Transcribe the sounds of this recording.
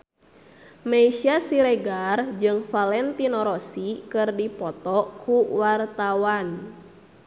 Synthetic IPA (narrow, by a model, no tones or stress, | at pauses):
meiʃiasiɾɛɡard͡ʒɨŋfalɛnt̪inɔɾɔsikɨrdipɔt̪ɔkuwart̪awan